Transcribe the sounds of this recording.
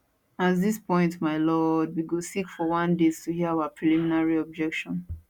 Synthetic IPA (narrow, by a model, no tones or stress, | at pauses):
atðispɔ̃ɪ̃ntmaɪlɔd̚wiɡosikfɔwãndez̥tuhiəawapʰɹiliminaɹiɔb̚d͡ʒɛkʃɔ̃n